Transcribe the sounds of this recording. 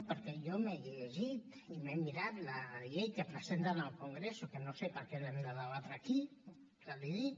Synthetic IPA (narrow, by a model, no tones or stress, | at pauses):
pəɾkɛjomeʎeʒit̪imemiɾat̪laʎejkəpɾəzent̪anəlˠkuŋɡɾesukənosepəɾkelemiɾaðalat̪ɾaki | aliði